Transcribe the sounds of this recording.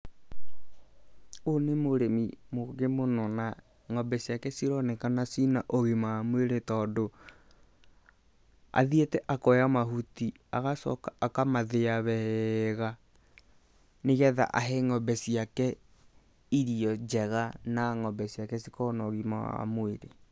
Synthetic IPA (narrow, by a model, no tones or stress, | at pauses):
onemoɾemimoɣemonɔna | ŋɔbɛsiakɛsiɾɔnɛkanasinaʔoɣimaamweɾetɔːdo | a̰ðietɛʔakɔjamaɦuti | aɣasɔ̰kaakamaðeaβɛhɛɣa | neɣɛða̰ʔa̰ɦɛŋɔbɛsiakɛ | iɾiɔd͡ʒɛɣanaŋɔbɛsiakɛsikɔnɔɣima̰wa̰moeɾe